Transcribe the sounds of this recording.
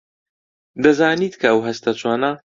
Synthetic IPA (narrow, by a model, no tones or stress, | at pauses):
d̪ɐzaːniːt̪kʰɐɐwɦɐst̪ɐt͡ʃʰwaːnɐ